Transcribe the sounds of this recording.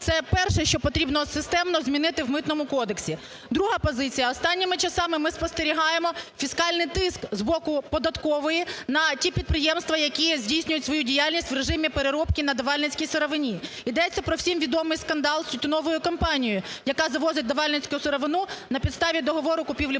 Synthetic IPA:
t̪ɛpɛrʃɛʃt͡ʃɔpɔt̪ɾʲibnɔsɪst̪ɛmnɔzʲmʲinɪt̪ɪwmɪt̪nɔmʊkɔd̪eksʲi | d̪ɾuɦapɔzɪt͡sʲijɐɔst̪ɑnʲːɪmɪt͡ʃɐsɑmɪmɪspɔst̪eɾʲiɦɑjemɔfʲiskɑlʲnɪjt̪ɪskzbɔkʊpɔd̪ɐt̪kɔʋɔjinɐtʲipʲid̪̚pɾɪjɛmst̪ʋɐjɐkʲizʲdʲijsʲnʲʊjʊtʲsʋɔjudʲijalʲnʲisʲtʲʋreʒɪmʲipeɾeɾɔpkʲinɐd̪ɐʋɑlʲnɪt͡sʲkʲijsɪɾɔʋɪnʲi | id̪ɛt͡sʲːɐpɾɔwsʲimʋʲid̪ɔmɪjskɐnd̪ɑlˠsʲʊt̪ʲɪnɔʋɔjʊkɐmpɑnʲijʊjɐkɑzɐʋɔzɪt̚ʲd̪ɐʋɑlʲnɪt͡sʲkʊjʊsɪɾɔʋɪnunɐpʲid̪st̪ɑʋʲid̪ɔɦɔʋɔɾʊkʊpʲiwlʲi

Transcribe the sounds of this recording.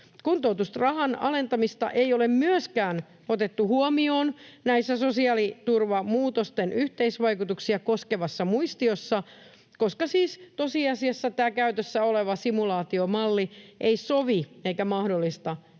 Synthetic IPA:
kunt̪ot̪ust̪rɑhɑnɑ̰le̞nt̪ɑmist̪ɑ̰ʔeiolemmyøskæːn | ot̪et̪ːuhuɔmioːnnæisːæsosiɑːlit̪urʋɑmuːt̪ost̪enʔyht̪eisʋɑikut̪uksiɑkoskeʋɑsːɑmuist̪iosːɑ | koskɑsiːst̪osiɑsiɑsːɑt̪æːkæyt̪øsːæoleʋɑsimulɑːt̪iomɑlːiʔeisoʋieikæmɑhdolːist̪ɑ

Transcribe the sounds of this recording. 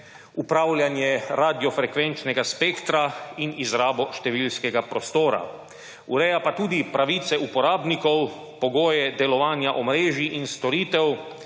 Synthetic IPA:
upɾaːwljanjɛɾaːd̪ijɔfɾɛkʋɛnt͡ʃnɛɡaspekt̪ɾainizɾaːbɔʃt̪ɛʋiːlskɛɡapɾɔst̪oːɾa̰ | ṵɾɛjapat̪uːd̪ipɾaʋiːt̪sɛupɔɾaːbnikɔw | pɔɡoːjɛd̪ɛlɔʋaːnjaʔɔmɾeːʒiʔinst̪ɔɾiːt̪ɛw

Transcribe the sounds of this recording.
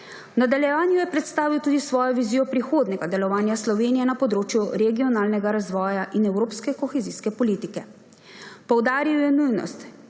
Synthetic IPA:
nad̪aljɛʋaːnjujɛpɾɛt̪st̪aːʋiwt̪uːd̪isʋɔːjɔʋiziːjɔpɾixoːd̪nɛɡad̪ɛlɔʋaːnjaslɔʋeːnijɛnapɔd̪ɾoːt͡ʃjuɾɛɡiɔnaːlnɛɡaɾazʋɔːjaʔinɛwɾoːpskɛkɔxɛziːskɛpɔliːt̪ikɛ | pɔwd̪aːɾiwjɛnujnɔ̰st̪

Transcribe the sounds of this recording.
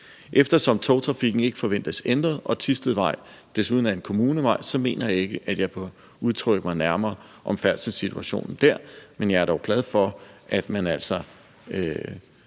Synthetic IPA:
ʔefd̥ɐsɒ̽mt͡sʰɒʊt͡sʰʁɑ̈fiɡ̥n̩e̝ɡ̥əfɒ̽ʋen̰d̥əsend̥ʁɐð̩ˠɒ̽t͡sʰisd̥əð̩ˠʋɑ̈ɪ̰ | d̥e̝suðˠn̩æɐe̝nkʰo̝muːnəʋɑ̈ɪ̰sɒ̽me̝̰ːnʔɐjɑ̈e̝ɡ̥əʔæd̥jɑ̈ɪpʰɒ | uð̞ˠt͡sʰʁœɡ̥əmɑ̈ɪnæɐmɐː | ʔɒ̽mfæɐ̰lsəsit͡sʰuæɕo̝̰ːnn̩d̥æɐ̰menjɑ̈ɪæɐ̥ɒʊɡ̥læð̞ˠfɒ̽ʔæd̥mænæl̰sɒ̽ | ø

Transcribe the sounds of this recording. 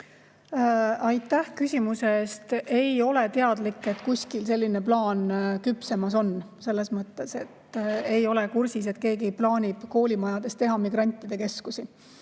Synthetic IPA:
ɑjt̪ːˑæhkysʲimuse̞eːst̪e̞jo̞le̞t̪e̞ɑd̪̥likːˑe̞t̪kusʲkilse̞lʲːine̞plɑːnkypse̞mɑso̞n | se̞lːe̞smɤt̪ːˑe̞se̞t̪ːe̞jo̞le̞kursis̬e̞t̪̚ke̞ːɡiejplɑːnʲib̥ko̞ːlʲimɑjɑd̪̥e̞st̪e̞ɦɑmiɡ̥ɾɑnʲt̪ːˑid̪e̞ke̞skusi

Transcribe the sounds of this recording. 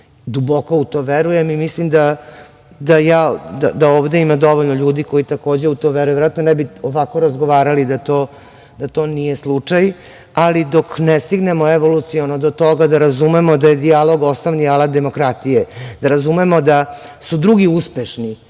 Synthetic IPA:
d̪ubo̞ko̞ut̪oːʋeɾujemimislimd̪a | d̪ajaːd̪a̰d̪aoːʋd̪e̞imad̪o̞ʋoʎnoʎuːd̪iko̞it̪ako̞ːd͡ʑeut̪oʋeɾujʋeɾat̪nonɛbioʋako̞ɾazɡoʋaːɾalid̪at̪oː | d̪at̪o̞nijeslˠut͡ʂaj | alid̪o̞knest̪iɡnemoeʋo̞lut̪sionod̪ot̪o̞ɡad̪aɾazumemo̞d̪aje̞d̪ialo̞ɡost̪oʋnialat̪d̪e̞mo̞kɾat̪ijed̪aɾazumemo̞d̪a | sud̪ɾuɡiuspeʃni

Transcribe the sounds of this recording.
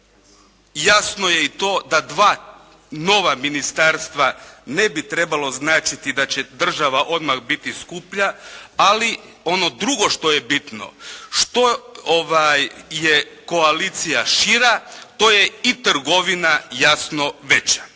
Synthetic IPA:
jasno̞jeit̪o̞ːd̪ad̪ʋaː | no̞ʋaminist̪aɾst̪ʋane̞bit̪ɾe̞balˠo̞znaːt͡ʃit̪id̪at͡ɕed̪r̩ʒaʋaʔo̞d̪maɣbit̪iskupʎaali | o̞no̞d̪ɾuɡo̞ʃt̪o̞je̞bit̪no̞̰ʃt̪o̞oʋajːeko̞alit̪sijaʃiɾat̪oːjeit̪r̩ɡo̞ʋinajasno̞ʋe̞t͡ɕḁ

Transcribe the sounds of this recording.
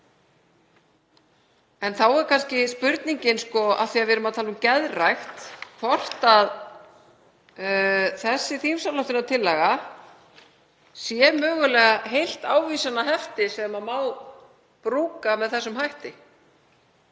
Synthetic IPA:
ɛnθawɛɾkʰanscɪspʏɾt̪niɲcɪnskɔa̰θiːavɪːɾʏmaðt̪ʰaːlʏmcɛðrajxt̪kʰvɔr̥t̪að | θɛsːɪθimsawlawt̪ɪnat̪ʰɪlːɛɣa | sjɛmœːɣʏlɛːɣaɦejl̥t̪aːwviːsanːaɦɛft̪ɪsɛmamaːw | pɾuːkamɛðθɛsːʏmɦajht̪ɪ

